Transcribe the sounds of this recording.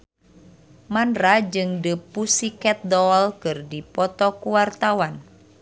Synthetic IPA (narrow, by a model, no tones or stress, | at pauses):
manrad͡ʒɨŋdəpusikɛt̪̚dɔlkɨrdipɔt̪ɔkuwart̪awan